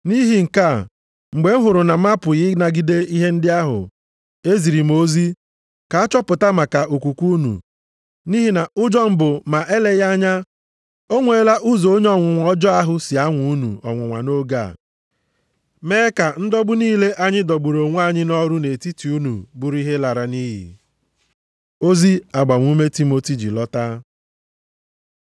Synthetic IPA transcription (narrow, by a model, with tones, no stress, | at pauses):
ni˦ɦi˨ŋ̩˨ka˦˨ | ŋ͡m̩˨ɡ͡be˨˦ŋ̩˦ɦʊ˨ɾʊ˨na˨m̩a˦pʊ˨jɪ˦na˨ɡi˦de˦i˦ɦe˦n̩˦dɪ˦a˦ɦʊ̰˨ | e˦zi˨ɾi˨mo˦zi˦ | ka˨a˦t͡ʃɔ˦pʊ˨ta˦ma˨ka˨ʔo˨kʷu˨kʷu˦nṵ˨ | ni˦ɦi˦na˨ʊ˦d͡ʒɔ˦m̩˨bʊ˨ma˨ʔe˦le˦ja˦ɲa˦ | o˦ŋʷe˨˦la˦ʔʊ˦zo˨o˦ɲ˦ɔ˦ŋʷʊ˨ŋʷɔ˦d͡ʒɔ˦a˦ɦʊ˦sɪ˨a˦ŋʷu˦u˦nṵ˨ɔ̰˨ŋʷʊ˨ŋʷa̰˨no˦ɡa̰˦˨ | me˦ka˨n̩˦dɔ˦ɡ͡bʊ˦niː˦le˦ʔa˦ɲɪ˦dɔ˨ɡ͡bu˨ɾo˨ŋʷ˦a˦˨ɲɪ˦nɔ˦ɾʊ˦ne˨ti˦ti˨u˦nṵ˨bʊ˨ɾi˦ɦe˦la˨ɾa˨ni˦ɦḭ˨ | o˦zi˦a˨ɡ͡ba˨ŋʷ˦u˦me˦ti˦mo˦ti˨d͡ʒḭ˨lɔ˦ta˦